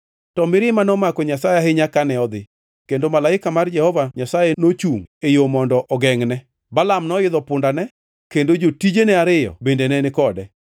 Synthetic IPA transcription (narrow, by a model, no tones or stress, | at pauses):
tɔmɪɾɪmanɔmakɔɲasajeɦɪɲakanɛɔd̪ɪ | kendomalaɪkamard͡ʒɛhɔvaɲasajɛnot͡ʃuŋejomɔndɔʔɔɡɛŋnɛ | balamnɔɪd̪ɔpʊndanɛ | kendod͡ʒotid͡ʒenɛaɾɪjɔ̰bendenɛnɪkɔdɛ